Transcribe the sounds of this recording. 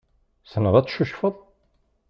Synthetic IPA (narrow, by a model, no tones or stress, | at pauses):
snəðˤæt͡sːʃuʃfəðˤ